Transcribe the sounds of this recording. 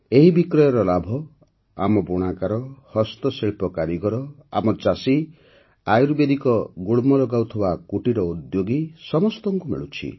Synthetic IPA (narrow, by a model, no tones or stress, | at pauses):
eɦibikɾɔjɔɾɔlabʱɔ | a̰mɔbuɽ̃akaɾɔhɔst̪ɔseɭpɔkaɾiɡɔɾɔa̰mɔt͡ʃasi | ajɾubed̪ikɔɡuɭmɔlɔɡawt̪ʰɔbakuʈiɾɔud̪joɡisɔmɔst̪ɔŋkumḭɭut͡ʃʰḭ